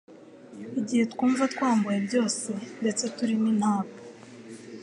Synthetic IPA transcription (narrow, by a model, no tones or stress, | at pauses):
iɟihe̞tkuːɱvatkwaːmbujebjo̞ːse̞nde̞t͡se̞tuɾininhaːmo